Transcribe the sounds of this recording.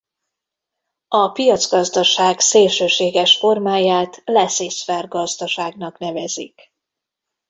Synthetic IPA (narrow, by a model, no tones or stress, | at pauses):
ɒpijɒt̪zɡɒzd̪ɒʃaːɡseːlʃøːʃeːɡɛʃfo̞rmaːjaːt̪lɛsesfɛrɡɒzd̪ɒʃaːɡnɒkn̪ɛvɛzḭk